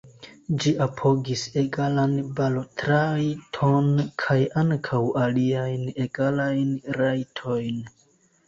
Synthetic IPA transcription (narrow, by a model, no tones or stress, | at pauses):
d͡ʒiʔapʰo̞ɡise̞ɡalanbalotɾajtʰonkʰajaŋkʰawʔaliajne̞ɡalajnɾajtʰo̞jn